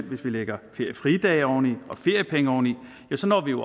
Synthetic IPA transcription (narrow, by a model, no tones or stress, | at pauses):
n̰ʋe̝sʋileɡ̥ɐfe̝ɐ̰jəfʁid̥ɛːɪɒʊn̩iɒ̽fe̝ɐ̰jəpʰeŋəɒʊn̩i | jæsɒ̽nɒ̰ːʋijo̝